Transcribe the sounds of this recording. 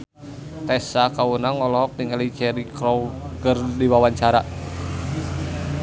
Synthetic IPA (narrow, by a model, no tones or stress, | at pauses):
t̪ɛsakawunaŋɔlɔɦɔk̚diŋalit͡ʃɛɾikɾɔwɡərdiwawaɲt͡ʃaɾa